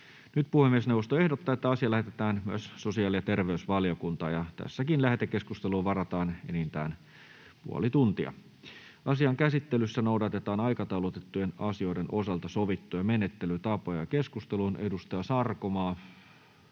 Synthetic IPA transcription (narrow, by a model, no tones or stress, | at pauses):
nyt̪̚puhemːiesneuwʋost̪oe̞hdot̪ːɑːet̪ːæɑsiɑlæhet̪et̪æːnmyæsːosiɑːlijɑt̪e̞rʋeysʋɑljokunt̪ɑ̰ːjɑt̪æ̰sːækinlæhet̪ekːe̞skust̪eluːʋɑrɑt̪ɑːnḛnint̪æ̰ːn | pṵo̰lit̪unt̪iɑ̰ | ʔɑsiɑŋkæsit̪ːelysːænoudɑt̪et̪ɑːnɑjkɑt̪ɑwlot̪et̪ːujenɑsio̞jdeno̞sɑlt̪ɑsoʋit̪ːujɑmenet̪ːelyt̪ɑpojɑkeskust̪elunʔḛdust̪ɑjɑsɑrkomɑː